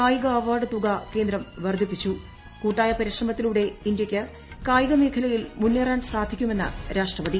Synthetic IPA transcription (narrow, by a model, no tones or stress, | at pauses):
kaːjiɣɐɐʋaːɽɨt̪uɡake̞ːnd̪ɾɐmʋɐrd̪ʱipːit͡ɕːu | kuːʈːaːjɐpɐɾiʂrɐmɐt̪ːiluːɽe̞ind̪jɐkʲːɨ | kaːjiɣɐmeːkʰɐlɐjilmunːeːraːɳsaːd̪ʱikʲːume̞nːɨ̰ɾʔaːʂʈrɐʋɐd̪i